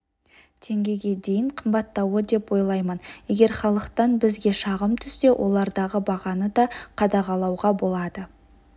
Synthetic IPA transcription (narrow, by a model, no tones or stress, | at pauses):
t̪ʰe̞ŋɡʲe̞ɡʲe̞d̪e̞jɪɴqʰəmbɑt̪ːɑwəd̪e̞pwo̞jlˠɑjmənje̞ɡʲe̞ɾχɑlˠəqt̪ɑnbɪzɡʲe̞ʃɑʁəmt̪ʰʏst̪e̞wʔo̞̰lˠɑɾd̪ɑʁəbɑʁɑnəd̪ɑqʰɑd̪ɑʁɑlˠɑwʁɑbo̞lˠɑd̪ə